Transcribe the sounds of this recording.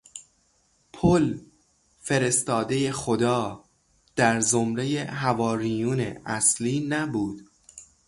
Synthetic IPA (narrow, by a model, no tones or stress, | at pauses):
pʰol | fe̞ɾe̞st̪ɒːd̪e̞je̞xod̪ɒː | d̪̥æɾzomɾe̞je̞ɦævɒːɾiːjuːnḛʔæsliːnæbuːd̪̥